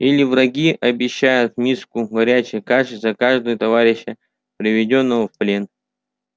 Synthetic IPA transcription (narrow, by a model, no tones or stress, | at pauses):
ilʲɪvɾɐɡʲiʔɐbʲɪɕːæjʊt̪̚nʲiskʊɡɐɾʲæt͡ɕɪjkaʂzɐkaʐd̪əjət̪ɐvaɾʲɪɕːə | pɾʲɪvʲɪdʲo̞nːəvəfplʲen